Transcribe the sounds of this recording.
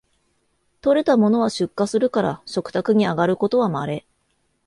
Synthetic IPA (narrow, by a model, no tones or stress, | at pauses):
t̪o̞ɾe̞t̪amo̞no̞β̞aɕɨkːasɨɾɯ̟kaɾa̰ɕo̞kɯ̟̥t̪akɯ̟ɲ̟iaɡaɾɯ̟ko̞t̪o̞βamaɾe̞